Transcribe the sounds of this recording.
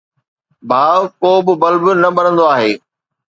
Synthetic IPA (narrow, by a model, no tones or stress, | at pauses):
bʱaːʋkoːbɪ̆bɐlbɪnɐɓɐnə̃nd̪oaːɦeː